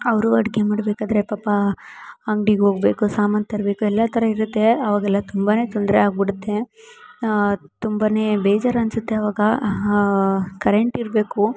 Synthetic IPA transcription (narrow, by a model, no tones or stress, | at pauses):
ɐʋɾuɐɽɡemaːɽbeːkaːd̪ɐɾe̞pɐpːɐ | ɐŋɡɖiɡɦoːɡbe̞ːkusaːmɐnt̪ɐɾbeːkuɛlːɐt̪ʰɐɾɐiɾut̪ːe̞ɐʋaːɡɛlːɐt̪umbane̞ːt̪ond̪ɾeaːɡ̚biɽut̪ːe̞ | t̪umbane̞ːbeːd͡ʒaːɾɐnsut̪ːeɐʋaːɡɐ | kɐɾeɳʈiɾbe̞ːku